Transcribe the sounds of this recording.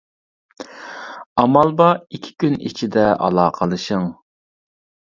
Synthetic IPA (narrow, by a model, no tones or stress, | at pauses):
ɑmɑlˠbɑikʲʰi̥kʲynḭt͡ʃʰid̪ɛʔɑ̰lˠɑːqʰəlˠɨʃəŋ